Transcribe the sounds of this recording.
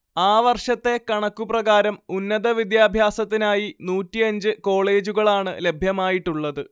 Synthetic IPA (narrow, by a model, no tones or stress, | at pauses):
aːʋɐrʂɐt̪ːe̞kɐɳɐkːuprɐɣaːɾɐmunːɐðɐʋid̪jaːbʱjaːsɐt̪ːinaːjinuːtːiɐɲd͡ʑɨko̞ːɭe̞ːd͡ʑuɣɐɭaːɳɨ̰le̞bʱjɐmaːjiʈːuɭːɐðɨ